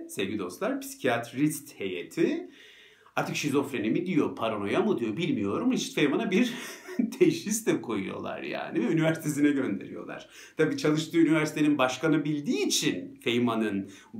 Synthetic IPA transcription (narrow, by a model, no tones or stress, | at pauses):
sevɟʲid̪o̞st̪lˠaɾpʰsi̥cʰiat̪ʰɾist̪he̞jḛt̪ʰi | aɾt̪ʰɯkʃizo̞fɾenimid̪ijo̞pʰaɾono̞jamud̪ijo̞bilʲmijo̞ɾumɾist̪fejmanabiɾt̪ʰejʃist̪ɛkʰojujo̞̰lˠa̰ɾja̰ːnivɛynivæɾsit̪ʰesinɛɟø̞nd̪e̞̰ɾijo̞̰lˠa̰ɾ̥ | t̪ʰabiːt͡ʃʰalˠɯʃt̪ʰɯːynivæɾsi̥t̪ʰe̞ninbaʃkanɯbilʲd̪iːt͡ʃʰinfejmanɯn